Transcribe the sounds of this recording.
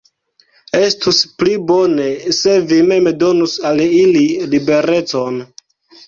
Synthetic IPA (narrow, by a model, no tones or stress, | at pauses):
e̞stusplibo̞ne̞se̞vime̞medo̞nusalililibe̞ɾe̞t͡so̞n